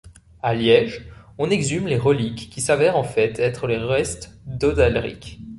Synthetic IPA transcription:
aljɛʒ | ɔ̃nɛɡzymleʁəlikːisavɛʁɑ̃fɛt̪ʰɛt̪χəleʁɛst̪d̪ɔd̪alʁḭk

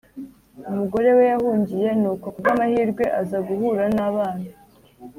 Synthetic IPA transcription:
umuɡo̞ɾe̞we̞jahuːɲɟije̞noːkokbamahiːɾɡwe̞ʔazaɡuhuːɾanaːβaːna

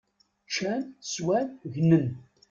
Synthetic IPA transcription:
t͡ʃːænswænʝnən

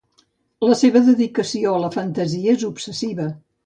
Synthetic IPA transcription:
ləseβəðəðikəsioələfənt̪əziəezupsəsiβə

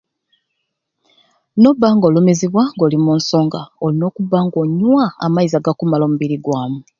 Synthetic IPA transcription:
no̞bːaːŋɡo̞lumiziβwaŋɡo̞ːlimuːnso̞ːŋɡaolino̞ːkubːaːŋɡo̞ɲwaa̰maizaɡakumalo̞muβiɾiɡwaːmu

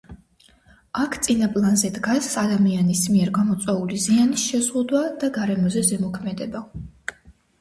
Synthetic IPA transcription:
akʰt̪sʼinapʼlˠanzɛd̪ɡasad̪amianismiɛɾɡamɔt̪sʼwɛulizianisʃɛzʁud̪wad̪̥aɡaɾɛmɔzɛzɛmɔkʰmɛd̪ɛba

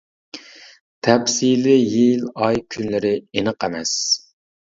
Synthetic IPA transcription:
t̪ʰɛpsilɪjilɑjkʲʰynlɪɾɪenəqɛmɛs

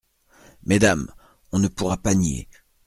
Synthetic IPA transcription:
med̪am | ɔ̃nəpuʁapanjḛ

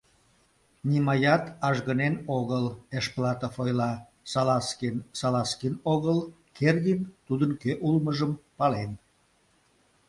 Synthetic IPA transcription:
nimɑjɑt̪ɑʒɣənenoɣəleʃplɑt̪əfojlɑ | sɑlɑskensɑlɑskinoɣəl | kerɣint̪ud̪ənkøʔulməʒəmpɑlen

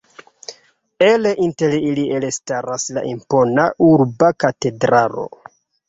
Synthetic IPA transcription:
ele̞ʔinte̞liliʔelestaɾasla̰ʔimpo̞naʔuɾbakate̞dɾaɾo̞̰

